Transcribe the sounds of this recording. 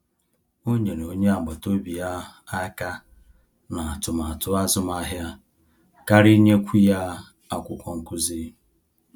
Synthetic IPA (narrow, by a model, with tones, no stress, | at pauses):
o˦ɲe˨n˨o˨˦ɲe˦a˨ɡ͡bɔ˨to˦bi˨ja˦a˦ka˦ | na˨a˨tʊ˨ma˨a˨tʊ˦a˦zʊ˦m˦a˦ɦja˦ | ka˦ɾi˦ɲe˦kʷi˦ja˦ | a˦kʷʊ˨kʷɔ˨ŋ̩˦kʊ˦zi˦